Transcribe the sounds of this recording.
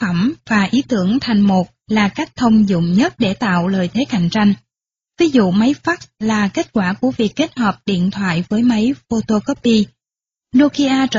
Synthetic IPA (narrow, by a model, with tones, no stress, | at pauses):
ə˧˩mvaː˨˩ʔi˨˦t̪ɨ˧˩əŋt̪ʰa˨˩jŋ̟mo˨˩t̚laː˨˩ka˦˥k̚t̪ʰə˧wŋ͡mzʊ̰˧˨ŋ͡mɲə˦˥t̚ɗe˧˩t̪a̰ː˧˨wləː˨˩jt̪ʰe˨˦ka̰˧˨jŋ̟t͡ɕa˧jŋ̟ | vi˨˦zṵ˧˨ma˨˦jfaː˦˥k̚slaː˨˩ke˦˥t̚kwaː˧˩ku˧˩əvi˨˩əkːe˦˥t̚həː˨˩p̚ɗḭ˧˨ənt̪ʰwa̰ː˧˨jvəː˨˦jma˨˦jfo˧t̪o˧kɔ˦˥p̚ːi˧ | no˧ki˧ʔaː˧t͡ɕə˧